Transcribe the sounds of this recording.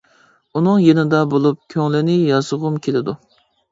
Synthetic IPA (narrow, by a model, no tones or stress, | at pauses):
unɨŋjenɪd̪ɑbolˠup̚kʲʰøŋlɪnɪjɑzʊʁʊmkʲʰelɪd̪u